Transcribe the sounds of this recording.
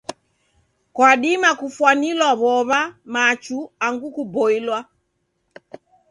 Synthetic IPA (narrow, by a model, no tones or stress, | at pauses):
kwaɗimakufwanilwaβɔβamat͡ʃuaŋɡukubɔilwa